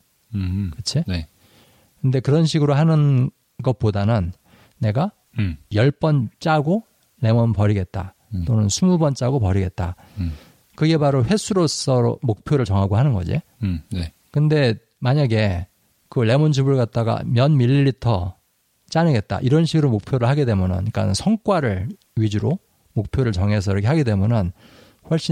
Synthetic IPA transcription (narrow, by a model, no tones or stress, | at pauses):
kɯt͡ɕʰin | kɯnde̞kɯɾʌnɕ̬ʰiɡɯɾoɦanɯn | ɡʌt̚p͈odanɯnː | e̞ɡa | jʌɭp͈ʌnt͡ɕ͈aɡo | le̞mʌnpʌɾiɡe̞t̚t͈a̰ | t͈onɯnsʰumubʌnt͡ɕ͈aɡopʌɾiɡe̞t̚t͈a̰ | kɯɡe̞paɾoɸwe̞sʰuɾos͈ʌɾo̰mok̚pʰjoɾɯɭt͡ɕʌŋɦaɡoɦanɯnɡʌd͡ʑḭ | kɯnde̞ | maɲaɡe̞ | kɯle̞mʌnd͡ʑʰubɯɭɡat̚t͈aɡa̰mjʌnmiʎːiʎːitʰʌ | t͡ɕ͈anɯɡe̞t̚t͈a̰ʔiɾʌnɕʰiɡɯɾomok̚pʰjoɾɯɭhaɡide̞mjʌnɯ̰nk͈a̰sʰʌŋk͈waɾɯɭ | ɥid͡ʑuɾo | mok̚pʰjoɾɯɭt͡ɕʌŋɦe̞s̬ʰʌiɾʌkʰeɦaɡide̞mjunɯn | ɸwʌɭɕ͈i